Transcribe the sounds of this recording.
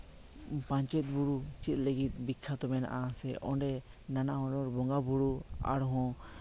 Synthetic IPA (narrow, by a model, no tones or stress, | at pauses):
pãɲt͡ʃɛt̪̚buɽut͡ʃit̪̚ˀləɡit̪̚ˀbikʰːat̪ɔmɛna̰ʔasɛʔɔɳɖɛ | nanaɦɔ̃ɖɔɾbɔŋɡabuɾua̰ɽɦɔ̃